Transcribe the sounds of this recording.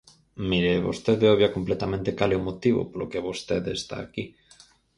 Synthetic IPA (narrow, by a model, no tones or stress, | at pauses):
miɾeβo̰st̪eðeoβjakomplet̪amẽnt̪ekaleomot̪iβo̰polokeβost̪eðest̪a̰ːki